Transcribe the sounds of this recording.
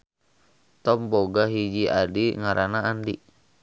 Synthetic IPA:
t̪ɔmboɡaɦid͡ʒiʔadiŋaɾʔanaːndi

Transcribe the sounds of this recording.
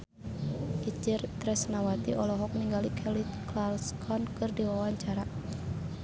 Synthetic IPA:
ʔit͡ʃirt̪ɾɛsnawat̪iʔɔlɔɦɔk̚niŋɡalikʰɛlit̪̚klalskʰɔnkɨrdiwawaɲt͡ʃaɾa

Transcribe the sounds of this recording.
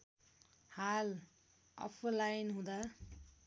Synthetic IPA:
hal | ʌ̰pʰlajnɦũd̪a

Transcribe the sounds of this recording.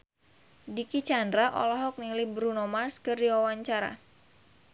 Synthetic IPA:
dikit͡ʃandɾaʔɔ̰lɔɦɔk̚nilibɾunɔmarskɨrdiwawaɲt͡ʃaɾa̰

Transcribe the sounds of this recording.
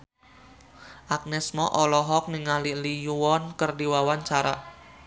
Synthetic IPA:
ʔak̚nɛsmɔʔɔlɔɦɔk̚niŋalilijuwɔnkərdiwawaɲt͡ʃaɾa

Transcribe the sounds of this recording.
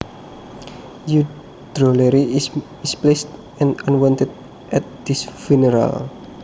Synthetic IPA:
ju | d̪̥ɾoleɾi | isplest̪ | ɛ̃nanwɔnt̪əd̪̚ | ʔɛt̪̚d̪̥isfinəɾa̰l

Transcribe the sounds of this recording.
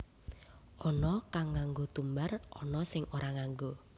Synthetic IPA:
ɔnɔkaŋːaŋɡot̪umbarɔnɔsɪŋoɾaŋaŋɡo

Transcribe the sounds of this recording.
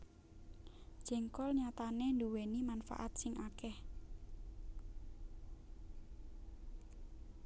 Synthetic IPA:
d̥ʒ̥ɛ̤ŋkɔlɲat̪anend̪uwenimanfa̰ʔat̪sɪŋʔakɛh

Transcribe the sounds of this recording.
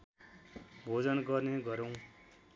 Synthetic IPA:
bʱod͡zʌnɡʌrneɡʌɾʌw̃

